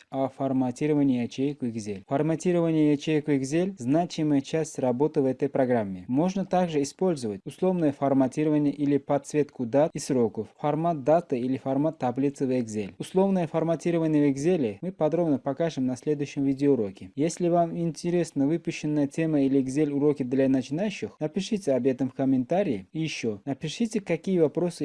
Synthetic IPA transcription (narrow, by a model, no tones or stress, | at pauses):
ɐfɐrmɐtʲiɾəvənʲɪjɐt͡ɕejɪkvɪɡzʲelʲfərmatʲiɾəvənʲɪjɐt͡ɕejəkvɪɡzʲelʲznat͡ɕɪməjət͡ɕæsʲtʲrɐbo̞t̪ɨvɛt̪əjpɾɐɡɾamʲːɪmo̞ʐnət̪aɡʐɨɪspo̞lʲzəvətʲʊslˠo̞vnəjəfɐrmɐtʲiɾəvənʲɪjəʔilʲɪpɐt̪svʲe̞t̪kʊd̪at̪isro̞kəffɐrmat̪̚d̪at̪ɨilʲɪfɐrmat̪ːɐblʲit̪sɨvʲeɡzʲelʲʊslˠo̞vnəjəfərmɐtʲiɾəvənʲɪjəvɪɡzʲelʲɪmɨpɐd̪ɾo̞bnəpɐkaʐɨmnɐsʲlʲe̞d̪ʊjʏɕːɪmvʲidʲɪʊɾo̞kʲɪjesʲlʲɪvamɪnʲtʲɪɾʲe̞snəvɨpʊɕːɪnːəjətʲe̞məilʲɪɡzʲelʲʊɾo̞kʲɪd̪lʲanət͡ɕɪnajʉɕːɪxnəpʲɪʂɨtʲɪɐbʲjet̪əmfkəmʲɪnt̪aɾʲɪɪijɪɕːo̞nəpʲɪʂɨtʲɪkɐkʲijəvɐpɾo̞sɨ